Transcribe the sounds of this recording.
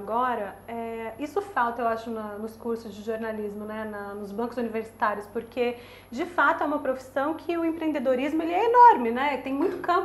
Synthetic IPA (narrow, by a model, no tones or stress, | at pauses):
ɡɔɾɐɛisʊfawˠt̪ɐewaʃʊnɐnʊskuɾsʊzd͡ʒɪʒoɾnalizmʊnɛnɐnʊzbɐ̃ŋkʊzuniveɾsi̥t̪aɾjʊspoɾkʰe | d͡ʒɪfat̪ʊɛũmɐpɾofi̥sɐ̃w̃kʰɪʊẽpɾẽnd̪ed̪oɾizmʊelɪɛenɔɾmɪnɛt̪ẽj̃mũj̃t̪ʊ̥kɐ̃mp